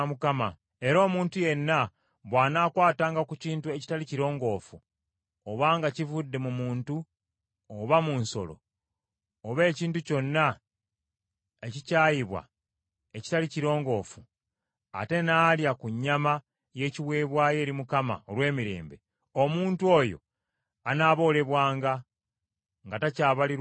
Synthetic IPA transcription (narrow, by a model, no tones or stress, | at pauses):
mukama | e̞ɾo̞ːmuːntuje̞nːa | βwaːnaːkwaːtaːŋɡakuciːntue̞ci̥taliciɾo̞ːŋɡo̞fu | oβaːŋɡacivudːe̞mumuːntu | oβamunso̞̰lo̞̰ | oβe̞ːciːntuco̞nːa | e̞cicaːjiβwa̰ | e̞ci̥taliciɾo̞ːŋɡo̞ːfu | a̰te̞naːljakuɲːama | je̞ːciβwe̞ːβwaːje̞ːɾimukama̰olwe̞ːmiɾe̞̰ːmbe̞ | o̞muːntwo̞ːjo̰ | anaːβo̞ːle̞βwaːŋɡa | ŋɡatacaːβali